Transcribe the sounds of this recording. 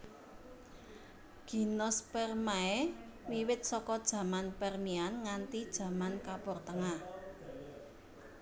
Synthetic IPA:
ɡ̥i̤nɔspɛrmaɛ | miwɪt̪̚sɔkɔd̥ʒ̥ä̤manpɛrmianŋant̪id̥ʒ̥ä̤mankapɔrt̪əŋa

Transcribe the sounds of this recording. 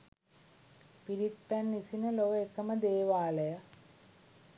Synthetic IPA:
piɾit̪ːɐnːisinɐloʋekːɐmɐd̪eːʋaːlɐjɐ

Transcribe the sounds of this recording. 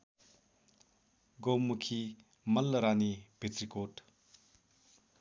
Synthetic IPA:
ɡomːukʰi | mɐlːəɾanipetɾikot

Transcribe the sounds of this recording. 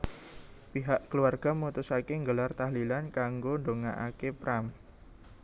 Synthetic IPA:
piɦaʔkəluarɡ̥amut̪ʊsakeŋɡəlart̪aɦlilankaŋɡoɳɖoŋaʔakepɾam

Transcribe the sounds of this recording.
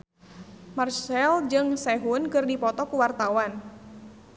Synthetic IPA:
marsɛld͡ʒɨŋsɛɦunkɨrdipɔt̪ɔkuwart̪awan

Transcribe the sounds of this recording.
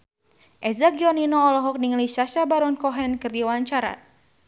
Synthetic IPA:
ʔɛzaɡiɔninɔːlɔɦɔk̚niŋliʃaʃabaɾɔnkɔɦɛnkɨrdiwaɲt͡ʃaɾa̰

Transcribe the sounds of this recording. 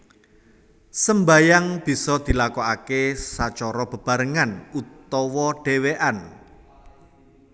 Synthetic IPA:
səmbajaŋb̥i̤sɔd̪̥i̤lakɔakesat͡ʃɔɾɔb̥ə̤b̥ä̤ɾəŋanut̪ɔwɔɖ̥e̤weʔan

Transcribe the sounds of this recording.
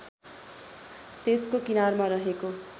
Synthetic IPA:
t̪eskokinarmaɾʌɦeko

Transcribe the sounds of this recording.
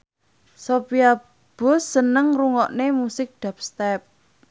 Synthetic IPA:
sopia | b̥o̤sːənəŋruŋɔʔnemusɪk̚d̪̥a̤p̚st̪ɛp̚

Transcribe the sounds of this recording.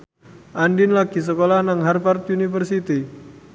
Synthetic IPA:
ʔandɪnlaɡis̬əkolanaŋɦarfart̪unifərsit̪i

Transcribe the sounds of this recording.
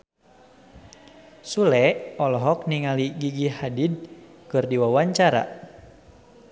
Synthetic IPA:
sulɛɔlɔɦɔk̚niŋaliɡiɡihadid̚kɨrdiwawaɲt͡ʃaɾa̰

